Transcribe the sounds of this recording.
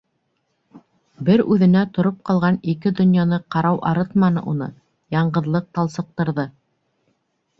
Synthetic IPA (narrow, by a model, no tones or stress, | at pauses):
bɘɾʉðɘ̆næt̪ŏɾop̚qɑlˠʁɑnikɘd̪ŏnjɑnɤqɑɾɑwʔɑɾɤt̪mɑnɤ̰ʔunɤ̰ | jɑɴɢɤ̆ðlˠɤq̚t̪ɑlˠsɤ̆q̚t̪ɤ̆ɾðɤ